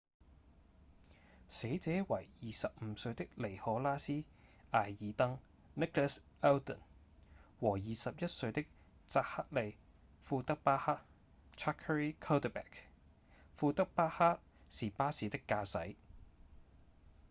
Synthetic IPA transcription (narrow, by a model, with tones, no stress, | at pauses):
se˨˥jt͡sɛː˨˥wɐ˨˩jjiː˨sɐ˨p̚m̩˨˧sɵ˧ɥt̪ɪ˥k̚le˨˩jhɔː˨˥laː˥siː˥ | ʔaː˨jːiː˨˥t̪ɐ˥ŋ | nɪ˥klɛ˥s | ɛ˥wd̪ə̰˨˩n | wɔː˨˩jiː˨sɐ˨p̚jɐ˥t̚sɵ˧ɥt̪ɪ˥k̚ | t͡saː˧˥k̚ha˥t̚le˨˧j | fuː˧t̪ɐ˥k̚paː˥haː˥k̚ | t͡ʃʰaː˥kʰːə˧ɹiː˥kʰɐ˥wt̪ə˨pɛ̰ː˨˩k | fuː˧t̪ɐ˥k̚paː˥haː˥t̚ | siː˨paː˥siː˨˥t̪ɪ˥kːaː˧sɐ˨˥j